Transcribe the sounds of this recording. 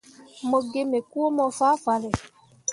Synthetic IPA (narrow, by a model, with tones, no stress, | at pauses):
mɔ˧ɡe˧me˨ku˦o˦mɔ˧fa˦fa˨lɛ˨